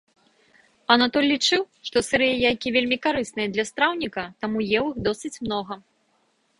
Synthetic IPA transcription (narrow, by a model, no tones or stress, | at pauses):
ɐnat̪ɔlʲːit͡ʂɨw | ʂt̪ɔsɨɾɨjɛjajkʲivʲelʲmʲikaɾɨsnɨjɐd̪lʲɐst̪ɾawnʲikɐt̪amujɛwixd̪ɔsɨt͡sʲmnɔɣɐ